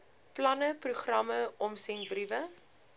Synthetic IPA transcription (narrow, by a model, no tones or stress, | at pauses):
plɐnəpruχrɐməɔmsɛŋbrivə